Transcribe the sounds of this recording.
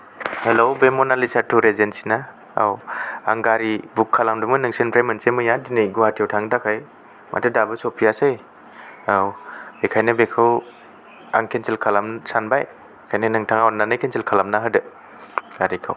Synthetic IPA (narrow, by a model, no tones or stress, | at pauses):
helowbemɔnalisatʰuɾezensi̥na | a̰waŋɡaɾibukʰːalamdumɯnɯŋsɯnpʰɾajmɯnsemɯjadinɯjɡuatʰawtʰaŋdakʰaj | mʔa̰tʰɯdabɯsopʰiasaj | awbekʰajnɯbekʰɯw | a̰ŋkʰenselkʰalamsanbaj | kʰajnɯnɯŋtʰaŋawnanɯjkʰenselkʰalamnaɦɯdɯ | ɡ̥aɾikʰa̰w